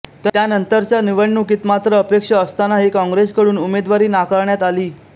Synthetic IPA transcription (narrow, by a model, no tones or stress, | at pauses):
t̪t̪janənt̪əɾt͡ɕjaniʋəɳːukiːt̪mat̪ɾəːpekʂəəst̪anaɦikɔ̃ŋɡɾeskəɽuːnumed̪ʋaɾiːnakaɾɳjat̪aliː